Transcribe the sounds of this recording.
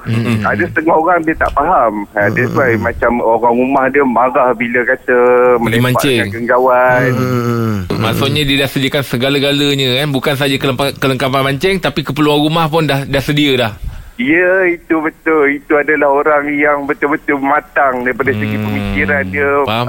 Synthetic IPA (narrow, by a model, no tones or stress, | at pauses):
a̰dasə̥t̪əŋahoɾaŋdiət̪a̰ʔpaɦamadət̪uajmat͡ʃamoɾaŋumahdiəmaɣahbiləkat̪əməleimãɲa̰ʔt͡ʃɛaŋɡəŋɡawan | masuʔɲadidahsədiəkansəɡalaɡaləɲə̃kanbukans̬ad͡ʒakəəakələŋkapanmaɲt͡ʃɛŋt̪apikəpəluanɾumahpʊndahdahsədiəlahijəit̪ubət̪ʊlit̪uadalahoɾaŋjaŋbət̪ʊlbət̪ʊlmat̪aŋdaɾipadasəɡipəmikiɾandiəaa